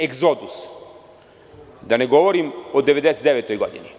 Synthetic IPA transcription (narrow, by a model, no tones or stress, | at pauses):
eɡzod̪us | d̪aneɡo̞ʋoɾimod̪eʋe̞d̪eset̪d̪eʋet̪ojɡod̪ḭni